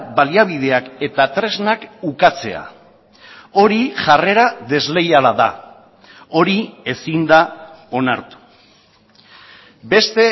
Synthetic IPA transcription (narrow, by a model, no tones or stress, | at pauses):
baliaβ̞ið̞e̞ake̞t̪at̪ɾe̞znakukat͡se̞a̰ | o̞ɾiʝare̞ɾaðe̞zle̞jalaða̰ | o̞ɾie̞sind̪ao̞naɾt̪u̥ | be̞st̪e̞